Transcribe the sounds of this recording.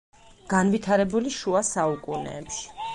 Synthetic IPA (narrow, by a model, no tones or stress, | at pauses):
ɡ̥anvit̪ʰaɾɛbuliʃuasaukʼunɛ̰ːpʃi̥